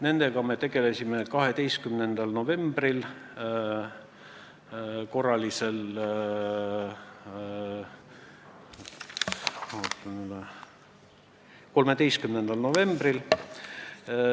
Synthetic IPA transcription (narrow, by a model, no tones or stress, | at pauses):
ne̞nd̪̥e̞ɡ̥ɑme̞t̪e̞ɡ̥e̞lesimekɑɦe̞t̪e̞jst̪kymnend̪̥ɑlno̞ve̞mb̥ril | ko̞rɑlʲise̞l | mɑhut̪ːˑunyd̪ɑ | ko̞lme̞t̪e̞jst̪̚kymnend̪̥ɑlno̞ve̞mb̥ril